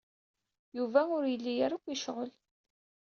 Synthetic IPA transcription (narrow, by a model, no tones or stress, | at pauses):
juvæʊɾjəlːijaɾakʷːiʃʁəl